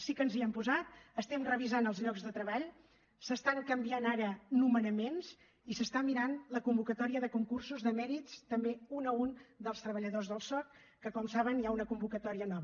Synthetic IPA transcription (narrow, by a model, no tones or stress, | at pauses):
sikənziɛmpuzat̪̚əst̪ɛmrəβizanəlˠzʎɔɡzðət̪ɾəβaʎ | səst̪aŋkəmbianaɾənumənəmenz | isəst̪amiɾanləkumbukət̪ɔɾiəðəkuŋkursuzðəmɛɾitst̪əmbeunəund̪əlˠst̪ɾəβəʎəðozðəlˠsɔk̪ | kːəkɔmsaβənjaunəkumbukət̪ɔɾiənɔβə